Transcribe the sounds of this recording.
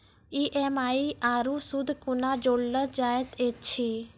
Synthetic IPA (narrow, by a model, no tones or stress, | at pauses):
iʔemaːiʔaːɾusʊd̪ʱkʊnad͡ʒoːɽːəd͡ʒaːjət̪ʰeːt͡ʃʰiː